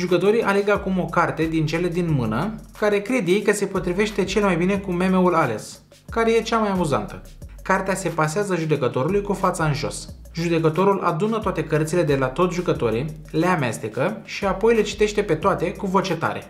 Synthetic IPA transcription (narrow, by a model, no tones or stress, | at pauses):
ʒukət̪o̞ɾiʔale̞ɡəakumo̞kart̪e̞d̪int͡ʃe̞le̞d̪inmɨnəkaɾe̞kɾed̪jejkəse̞po̞t̪ɾive̞ʃt̪e̞t͡ʃe̞lmajbine̞kume̞me̞ulale̞̰s | kaɾe̞je̞t͡ʃamajamuza̰nt̪ə | kart̪ease̞paseazəʒud̪e̞kət̪o̞ɾulujkufat̪saɨnʒo̞̰s | ʒud̪e̞kət̪o̞ɾulʔa̰d̪unət̪oat̪e̞kərt̪sile̞d̪e̞lat̪o̞t̪sʲʒukət̪o̞ɾi | le̞amest̪ekəʃiapo̞jle̞t͡ʃi̥t̪e̞ʃt̪e̞pe̞t̪oat̪e̞kuvo̞t͡ʃe̞t̪a̰ɾe̞̰